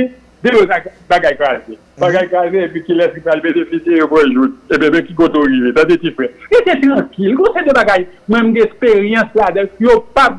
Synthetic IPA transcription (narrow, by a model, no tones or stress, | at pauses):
d̪ebosakbaɡajkwaze | baɡajkwazeepĩkilɛskipalbẽd̪esitejopɛ̃ʒut̪ebɛ̃bɛ̃kikot̪oɣivedãd̪etifɛet̪et̪ɣɐ̃kilkõsɛd̪øbaɡajmw̃ɛ̃m̩ɡɛ̃ɛspeɣijɑ̃slad̪ãjopa